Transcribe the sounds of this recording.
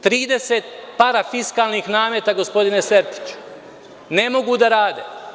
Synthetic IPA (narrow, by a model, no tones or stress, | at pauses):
t̪ɾiːd̪e̞set̪̚paɾafiskaːlˠnixnaːmjet̪aɡo̞spo̞d̪ine̞seɾt̪i̥t͡ʃu̥ | ne̞mo̞ɡud̪aɾaːd̪e